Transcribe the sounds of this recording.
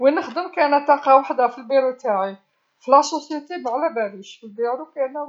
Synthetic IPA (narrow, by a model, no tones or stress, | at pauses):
winəxd̪əmkænæt̪ɑqɑwaħd̪æfilbiɾut̪aʕi | filʔɑsosjit̪ibʕlæbæɾiʃfəlbiɾukænæ